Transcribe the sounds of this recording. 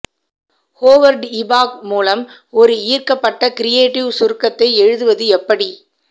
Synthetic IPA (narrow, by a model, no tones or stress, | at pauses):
hoːʋɐɾɖɪbaːkmuːlɐm | ɔɾɯiːrkɐpːɐʈːɐkɪɾɪjeːʈːɪʋsʊɾkːɐt̪ːɐɪɛɻɯðɯʋɐðɯɛpːɐɽi